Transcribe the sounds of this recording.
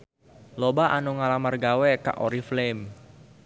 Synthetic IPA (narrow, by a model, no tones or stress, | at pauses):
lobaʔanuŋalamarɡawɛka̰ʔoɾiflem